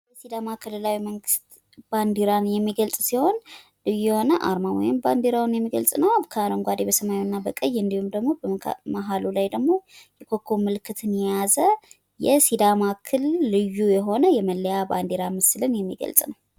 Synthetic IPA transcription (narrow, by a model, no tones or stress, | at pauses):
bəsid̪amakʰɨlɨlawiməŋɡɨst̪ | b̥and̪iɾanjɛmːiɡəlsʼsiho̞n | lɨjjɛho̞nəʔa̰ɾmawɔ̰jɪmband̪eɾawunjɛmːiɡə̰lsʼnəwabkʰaaɾoŋɡʷad̪ebəsəmajjwnːabəkʼəjːɨnd̪ihumd̪əɡmo̞bəmaɦalulajd̪əɡmo̞jɛkʰokʰːomɨlkʰːɨt̪ʰɨnjɛjazə | jɛsid̪amakʰɨlːɨjːujɛɦo̞nəjɛməlːəjaband̪eɾamɨsɨlɨnjɛmːḭɡə̰lsʼnəw